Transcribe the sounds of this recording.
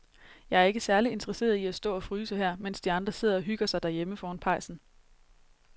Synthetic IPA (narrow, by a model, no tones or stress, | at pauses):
jɑ̈ɪæɐe̝ɡ̥əsæɐlie̝nd̥ʰʁɐse̝̰ːɐðˠiæsd̥ɔ̰̽ːɒ̽fʁyːsɑɦæɐ̰mensd̥iɑ̈nd̥ʁɐse̝ð̞̰ˠɐɒ̽ɦyɡ̥ɐsɑ̈ɪd̥æɐjeməfɒːnpʰɑ̈ɪ̰sn̩